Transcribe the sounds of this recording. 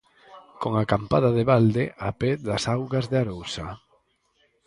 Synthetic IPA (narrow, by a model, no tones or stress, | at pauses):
koŋakampaðaðeβald̪eʔapeðasawɣazðeaɾowsa